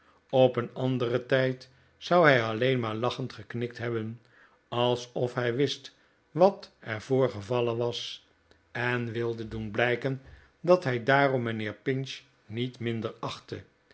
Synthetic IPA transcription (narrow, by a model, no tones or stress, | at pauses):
ɔpənɑndərətɛjt | sʌwɦɛjɑlejnmaːɹlɑχəntχəknɪk̚tɦɛbən | ɑlˠsɔfɦɛjʋɪst | ʋɑtɛɹv̥oːɹχəvɑlənʋɑs | ɛnʋɪlˠdədunblɛjkən | dɑtɦɛjdaːrɔmːənɪːɹpɪnʃ | nitmɪndəɹɑχtə